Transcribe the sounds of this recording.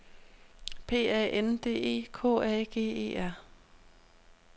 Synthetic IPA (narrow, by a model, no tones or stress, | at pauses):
pʰe̝̰ːɛ̰ːʔend̥e̝̰ːe̝̰ːkʰɔ̰ːɛːɡ̥e̝̰ːe̝̰ːæɐ̰